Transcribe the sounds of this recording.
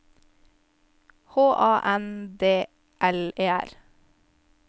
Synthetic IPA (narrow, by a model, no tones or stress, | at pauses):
hoːʔɑːʔɛnd̪eː | ʔɛleːæ̰ɾ